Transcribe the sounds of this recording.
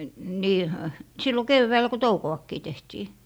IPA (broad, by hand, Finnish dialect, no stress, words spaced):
niː ø silːo keʋːæœˑlæ̆ ko toukoɑkːiː tehtiː